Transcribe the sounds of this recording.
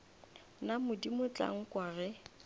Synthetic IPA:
namʊdimʊt͡ɬa̰ŋ̩kʼwaːrɛ

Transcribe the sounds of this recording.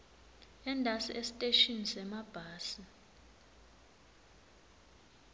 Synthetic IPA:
ɛndʱasiʔesi̥tʼeʃinsɛmab̥ʱaːsi

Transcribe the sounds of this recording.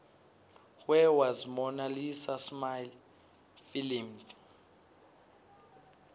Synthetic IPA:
wɛwazmɔnalisasmajl | filimd

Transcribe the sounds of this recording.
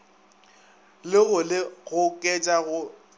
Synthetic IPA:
lɪɣʊlɪɣʊkʼɛt͡ʃʼaɣʊ

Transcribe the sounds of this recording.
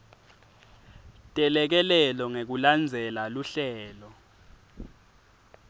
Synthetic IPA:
tʼɛlɛk̬ɛlɛlɔŋek̬uland͡zʱɛlaluɬɛːlɔ

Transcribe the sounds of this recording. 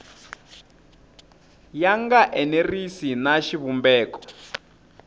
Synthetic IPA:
jaŋɡaʔɛnerisinaʃiβumbɛːkɔ̥

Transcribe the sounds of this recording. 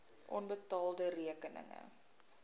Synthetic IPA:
ʔɔnbətɑːlˠdəriəkənə̰ŋə̰

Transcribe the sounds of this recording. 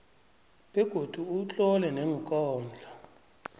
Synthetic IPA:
ɓɛɡ̥ʱod̥ʱuut͡ɬʼɔlɛnɛŋkʼɔːnd͡ɮʱa

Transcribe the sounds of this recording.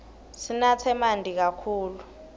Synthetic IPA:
sinat͡sʰɛmandʱik̬akʰuːlu

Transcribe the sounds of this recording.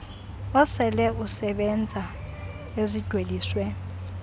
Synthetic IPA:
ɔsɛlɛusɛɓɛnd͡zʱa | ezid̥ʱweliːswɛ

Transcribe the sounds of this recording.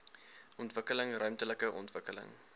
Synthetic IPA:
ʔɔntvəkələŋrœɥmtələkəʔɔntvəkələ̰ŋ

